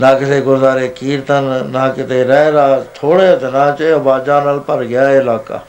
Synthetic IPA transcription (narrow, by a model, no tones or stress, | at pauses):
nãːkɪseːɡʊzaːɾeːkiːɾt̪annãːkɪt̪eːɾɛɾaːt̪ʰoːɽet̪ənãːt͡ʃːbaːd͡ʒaːnalpəɾɡɪjaːeɪlaːka̰ː